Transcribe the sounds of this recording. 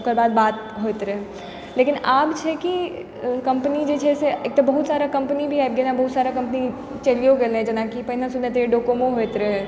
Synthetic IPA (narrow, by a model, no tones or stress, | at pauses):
kəɾbaːd̪̚baːt̪ | ɦojt̪ɾɛɦɛ | leːkɪnaːbt͡ʃʰɛki | kɐ̃mpənid͡ʒet͡ʃʰɛseeːk̚t̪obəɦut̪saːɾakɐ̃mpnibʱiajb̚ɡenabəɦut̪saːɾakɐ̃mpni | t͡ʃəlijoɡelɦɛ̃d͡ʒɐnakipəɦinãsud̪ẽt̪̬eɖokomõɦojt̪ɾəɦ